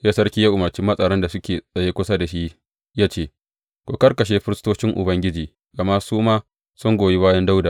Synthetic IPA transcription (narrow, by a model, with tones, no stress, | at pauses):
jaː˦sɐ˦rkʲiː˦ja˦ʔʊ˨mɐ˨rt͡ʃɪ˦mːɐ˦sʼɐ˨ɽɐ˦nda˨sʊ˦kʲeː˨sʼɐ˨jeː˦kʷʊ˦sa˦da˨ʃi˦ʔ | jaː˦t͡ʃeː˦˨ | kʷoː˨kɐ˦rkɐ˨ʃ̬eː˦ɸɪ˦ɾɪ˦stoː˦t͡ʃɪ˦ŋʔʊ̰˨bɐ˦ŋɡʲɪ˦d͡ʒiː˨ | ɡɐ˨ma˦suː˦maː˦ | sʊ˦ŋɡʷoː˨ji˦baː˦jɐ˦nda˦wda˨